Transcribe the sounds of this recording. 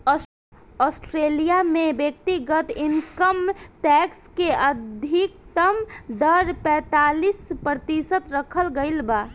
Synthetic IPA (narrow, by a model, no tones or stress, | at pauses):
ɔ | ɔːsʈɾelijamebjək̚t̪iɡət̪ɪnkəmʈɛkskeəd̪ʱik̚t̪əmd̪əɾpɛ̃ːt̪aːlispɾət̪isət̪ɾəkʰəlɡəɪlba